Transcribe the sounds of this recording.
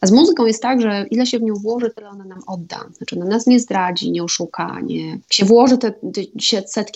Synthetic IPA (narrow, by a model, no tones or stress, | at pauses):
azmuzɘkɔ̃w̃jɛst̪t̪aɡʐɛʔilɛɕɛvɲɔ̃w̃vwɔʐɘt̪ɘlɛɔnanamɔd̪ːa̰zat͡ʂɨɔnanasɲɛzd̪ɾad͡ʑḭɲɛɔʂuka̰ɲɛ̰kɕɛvwɔʐɘɨt̪ɛt̪ɛɕɛt̪sɛt̪kʲ